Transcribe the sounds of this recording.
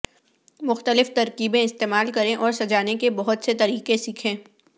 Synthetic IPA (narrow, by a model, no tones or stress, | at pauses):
mʊxt̪əlɪft̪ɐɾkiːbẽɪst̪eːmaːlkɐɾẽʔɔːɾsɐd͡ʒaːnekebɐɦʊt̪set̪ɐɾiːqesiːkʰẽː